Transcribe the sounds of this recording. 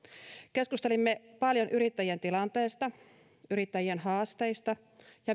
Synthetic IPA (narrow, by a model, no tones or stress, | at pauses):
ke̞skust̪e̞limːepɑljo̞nʔyɾit̪ːæjient̪ilɑnt̪e̞ːst̪ɑ | yɾit̪ːæjienɦɑːst̪e̞jst̪ɑ | jɑ